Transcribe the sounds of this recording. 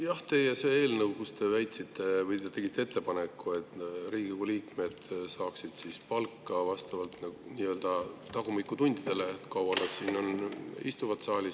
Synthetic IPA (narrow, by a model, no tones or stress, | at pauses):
jɑht̪e̞jese̞e̞ːlnɤwkust̪e̞væjt̪sit̪ːe̞vɤjt̪et̪e̞ɡ̥it̪ːˑee̞t̪ːe̞pɑne̞kːˑue̞t̪ːˑriːɡ̥ikuliːkme̞d̪̥sɑːksid̪̥sispɑlkˑːɑvɑst̪ɑvɑlt̪nɑɡuniːø̞ld̪̥ɑt̪ɑɡ̥umikːˑut̪unʲd̪̥id̪̥e̞le̞kɑwɑnɑd̪siːno̞nḭst̪uvɑt̪sɑːlʲi